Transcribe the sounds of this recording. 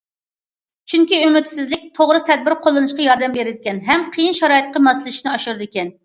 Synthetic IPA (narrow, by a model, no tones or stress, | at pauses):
t͡ʃʰyŋkʲiymɪt̪sɪzlɪk̚ʲt̪ʰoʁɾɨt̪ʰɛd̪̚bɪɾqʰolˠːɨnɨʃqɑjɑɾd̪ɛmbeɾɪd̪ɪkʲɛnɦɛmqʰəjinʃɛɾɑːit̪̚qʰɑmɑsɨlˠɪʃnɨɑʃuɾd̪ɪkʲɛn